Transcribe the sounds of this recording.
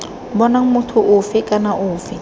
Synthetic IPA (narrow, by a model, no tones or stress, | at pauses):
bɔnaŋ̩mʊtʰʊʔʊfɪkʼanaʔʊːfɪ